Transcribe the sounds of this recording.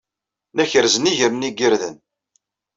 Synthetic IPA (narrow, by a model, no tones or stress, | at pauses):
næçəɾzəniʝəɾniɡiɾðən